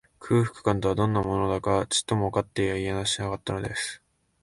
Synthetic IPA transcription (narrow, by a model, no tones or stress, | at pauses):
kʰɯ̟ːɸɯ̥kɯ̟̥kãnt̪o̞βad̪õ̞nːamo̞no̞d̪akat͡ɕi̥t̪ːo̞moakat̪ːe̞iaianaɕinakat̪ːano̞d̪e̞sɨ̥